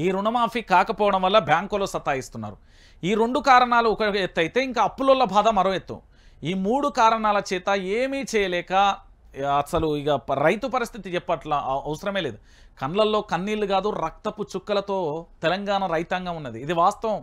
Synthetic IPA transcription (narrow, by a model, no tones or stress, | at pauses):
iːɾunɐmaːpʰikaːkɐpɔːʋɐɽɐmʋɐlːɐbʱjaːŋkoloːsɐt̪ːaːjist̪unːa̰ːɾu | iːɾeɳɖukaːɾɐɳaːlukɐet̪ːɐjit̪e̞ːiŋkaːɐpːulolːɐbʱaːd̪ɐmːɐɾoet̪ːɐ̰m | iːmuːɽukaːɾɐɳaːlɐt͡ʃɛːt̪ɐeːmiːt͡ʃɛːjɐlɛːkɐː | sɐluiɡaɾɐjt̪upɐɾist̪ʰit̪it͡ʃɛpːɐʈlaɐʋɐsɐɾɐme̞ːle̞ːd̪u | kɐnlɐlːo̞ːkɐnːiːlːuɡaːd̪uɾɐk̚t̪ɐpːut͡ʃukːɐlɐt̪o̞ːt̪ɛlɐŋɡaːnɐɾɐjt̪ɐŋɡaːunːɐd̪iːd̪iʋaːst̪ɐʋɐm